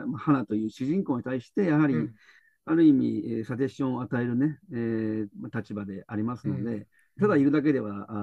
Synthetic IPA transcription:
mahanat̪o̞jɯ̟ːɕɨʑĩŋko̞ːɲ̟it̪aiɕi̥t̪e̞jaɦaɾʲi | aɾɯ̟imʲiesat̪̬e̞ɕõ̞oat̪ae̞ɾɯ̟ne̞emat̪at͡ɕibad̪e̞ʔaɾʲimasɨno̞d̪e̞ | t̪ad̪aiɾɯ̟d̪ak̬e̞d̪e̞βa

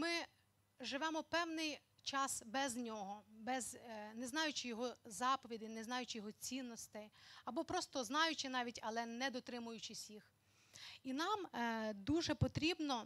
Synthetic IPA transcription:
mɪ | ʒɪʋɛmɔpɛwnɪj | t͡ʃɑsbɛznʲɔɦɔbɛznɛznɑjʊt͡ʃɪjɔɦɔzɑpɔʋʲid̪ɪnɛznɑjʊt͡ʃɪjɔɦɔt͡sʲinːɔst̪ɪɐbɔpɾɔst̪ɔznɑjʊt͡ʃɪnɑʋʲitʲɐlˠɛnɛd̪ɔt̪ɾɪmʊjʊt͡ʃɪwsʲix | inɑmd̪uʒɛpɔt̪ɾʲibnɔ

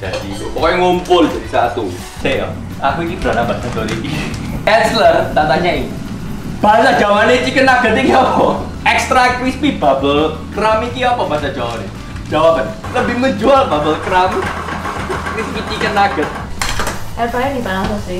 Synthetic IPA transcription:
d̥adit̪ṵpɔkɔŋompʊld͡ʒadisa̰t̪u | seɔ̰ | akuinibɾanabasat̪oɾḭ | ɛt̪slərd̪at̪aɲai | b̥asad͡ʒawanet͡ʃikənaɡ̥ət̪̚ikiapɔ | ɛkst̪ɾakɾismibabəl | kramikiapɔbasad͡ʒawanḛ | d͡ʒawapən | ləbɪhməɲd͡ʒualbabəlkɾam | kɾismit͡ʃikənaɡ̥ət̪̚ | ɛlpajadipanasɔsɪ

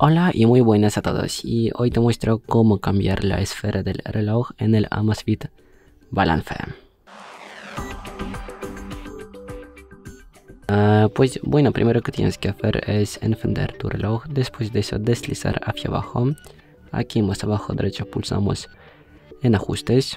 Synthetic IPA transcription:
olaʔimujβwenasat̪o̰ðo̰siojt̪emwest̪ɾokomokambjaɾla̰esfeɾʔaðelreloxenela̰masfit̪ | bala̰nθḛ | apwesbwenopɾʔimeɾoket̪jḛneskeaθḛɾesḛnfẽnd̪ḛɾt̪urelʔoxd̪espwezd̪eeso̰d̪eslisa̰ɾaθjaβa̰xo | a̰kimosaβaxoðeɾʔet͡ʃopulsa̰mo̰s | enaxust̪es

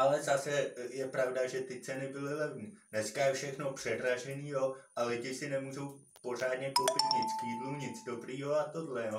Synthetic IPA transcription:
ʔalɛzasɛjɛpɾavdaʒɛt̪ɪt͡sɛnɪbɪlɪlɛvɲiːnɛskajɛfʃɛxno̞pr̥ɛdɾaʒɛniːjoʔalɪɟɪsɪnɛmuːʒo̞w | po̞r̝aːdɲɛpot̪pr̩ɲɪt̪skiːdluɲɪd͡zdo̞bɾiːɦo̞at̪o̞dlɛjoː

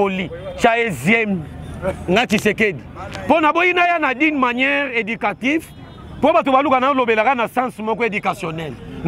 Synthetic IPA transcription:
olit͡ʃaezjɛm | ŋɡat͡ʃisekediponabojinajanadinmanjɛʁedykativ | pobatobalukanalobelakanasãsmɔkɔedykasjɔnɛln

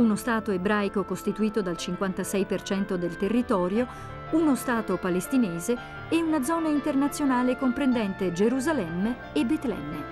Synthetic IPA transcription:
unost̪aːt̪oebɾaːjkokost̪it̪uiːt̪od̪alt͡ʃiŋkwant̪asɛjpert͡ʃɛnt̪od̪elt̪erːit̪ɔːɾjo | unost̪aːt̪opalest̪ineːzeː | unad̪zɔːnaint̪ernat̪sːjonaːlekompɾend̪ɛnt̪ed͡ʒeɾuzalɛmːeːbet̪lɛ̰mːe

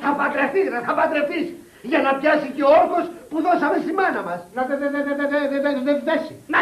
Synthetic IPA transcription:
θɐpɐt̪ɾeθisnɐθɐpɐt̪ɾeθis | ʝɐnɐpçɐsiceooɾxo̞spuðo̞sɐme̞st̪imɐnɐmɐsnɐðeðeðeeeðeðeðefit̪esinɐ

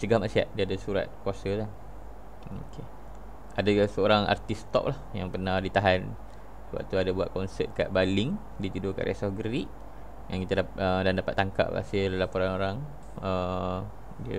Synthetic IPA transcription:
t͡ʃəɡahmaʔsia̰ʔ̚diəadasuɾa̰t̪̚kuasət̪a | okʰe | adasəoɾaŋa̰rt̪ist̪ɔ̰ʔ̚lahjaŋpərnahdit̪aɦan | səba̰ʔ̚t̪uadabua̰ʔ̪̚kɔnsə̰t̪̚ka̰ʔbaliŋ | dit̪idoka̰ʔɾʔɛ̰sɔhɡəɾiʔ | ŋankit̪adaədandapat̪ːaŋka̰ʔ̚a̰siəlalapoɾanoɾaŋ | ə | diə

